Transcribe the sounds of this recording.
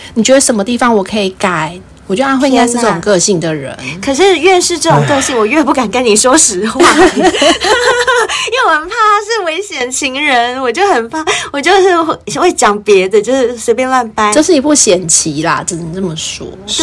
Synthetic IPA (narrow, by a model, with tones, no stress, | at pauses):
nni˨˩t͡ɕɥɛ˧˥d̪ə˧ʂə˨˦nmə˦t̪i˥˩fɑ˦ŋwɔ˨˩kʰɤ˧˥i˨˩ka˥˩ɪ | wɔ˨˩t͡ɕjo˥˧ʊa˥˧nxe˥˧i˧˥ŋɡa˥ɪ˥˩ʈ͡ʂə˥˩ʈ͡ʂo˨ŋkɤ˥˧ɕi˥˩ŋd̪ə˩ɻə̰˧˦nkʰɤ˨˩ʂ̬ɻ̩˥˧ɥɛ˥˧nʂɻ̩˥˧ʈ͡ʂɤ˥˩ʈ͡ʂo˨˩ŋkɤ˥˧ɕi˥˩ŋwɔ˨˩ɥɛ˥˧pu˥˩ka˨˩nkə˦˥nni˨˩ʂwɔ˥ʂɻ̩˧˥w | i˥we˥˩wo˨˩ə˨˩pʰa˥˧ʂɻ̩˥˩we˧˥ɪɕjɛ˨˩nt͡ɕʰi˧˥ŋɻə˧˦nwɔ˨˩t͡ɕjo˥˩ʊxə˨˩npʰa˥˩wɔ˨˩t͡ɕjo˥˧ʊʂɻ̩˥˧xxwe˥˩ɪt͡ɕjɑ˨˩ŋpjɛ˧˥d̪ə˧t͡ɕjo˥˧ʊʂɻ̩˥˩˥swe˧˥ɪp̬jɛ˥nwa˥˧npa˥˦jʂ̩˥˩i˨˩pu˥˩ɕjɛ˨˩nt͡ɕʰi˨˦la̰˧˩ʈ͡ʂ̩˨˩˧t͡sə˥˩mə˩ʂɔ̰˦˥